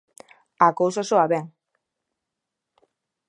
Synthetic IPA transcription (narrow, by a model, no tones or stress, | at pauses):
akowsosoaβeŋ